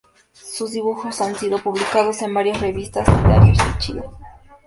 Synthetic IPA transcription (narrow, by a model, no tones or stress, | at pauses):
suzd̪iβuxosansiɾopuβlikaðosembaɾjosreβist̪asila̰ɾjosit͡ʃḭo